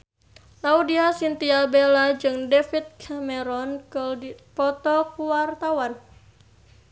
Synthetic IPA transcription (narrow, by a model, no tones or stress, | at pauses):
laudiasint̪iabelad͡ʒɨŋdefit̪̚kʰamɛɾɔnkpɔt̪ɔkuwart̪awan